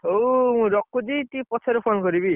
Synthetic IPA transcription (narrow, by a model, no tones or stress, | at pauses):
owmũɾɔkːud͡ʒit̪ipɔt͡ʃʰeɾɔpʰonkɔɾibi